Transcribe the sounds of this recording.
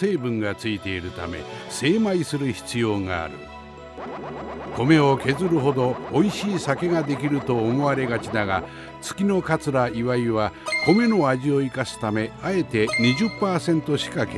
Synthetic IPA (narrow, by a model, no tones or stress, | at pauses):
se̞ːbɯ̟̃ŋɡat͡sɨit̪e̞iɾɯ̟t̪ame̞̰se̞ːmaisɨɾɯ̟çi̥t͡sɨjo̞ːŋa̰ːɾɯ̟ | ko̞me̞o̞ke̞zɨɾɯ̟ɦo̞d̪o̞ːiɕiːsake̞ɡad̪e̞kʲiɾɯ̟t̪o̞ːmo̞aɾe̞ɡat͡ɕid̪aɡa | t͡sɨ̥kʲino̞kat͡sɨɾaiβaiβ̞ako̞me̞no̞aʑio̞ikasɨ̥t̪ame̞ae̞t̪e̞ɲ̟iʑɨpːaːsẽ̞nt̪o̞ɕi̥kake